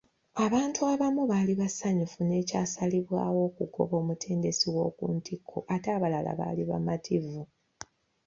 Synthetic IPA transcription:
aβaːntuaβamuβaliβasaɲufune̞ːcaːsaliβwaːwo̞ːkuko̞̰βo̞ːmutʰe̞ːnde̞siwo̞ːkuːntʰikʰːo̰ʔataːβala̰la̰βa̰ːliβamatʰivu

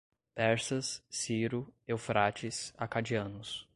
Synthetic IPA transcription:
pɛɾsɐsːiɾʊewfɾʔat͡ʃɪsakad͡ʒiɐ̃nʊs

